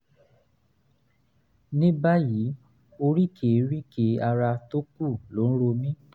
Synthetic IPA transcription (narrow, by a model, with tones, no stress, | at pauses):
nĩ˦ba˦ji˨˦ | o˧ɾi˦kʰe˨˦ɾi˦ke˨˧˦a˧ɾa˧to˦ku˦˨lo˨˦ñ̩˦ɾo˧mĩ˦